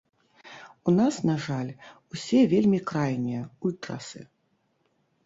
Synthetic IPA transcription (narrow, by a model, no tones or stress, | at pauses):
unasnaʐalʲusʲɛvʲelʲmʲikɾajnʲijɐulʲt̪ɾa̰sɨ̰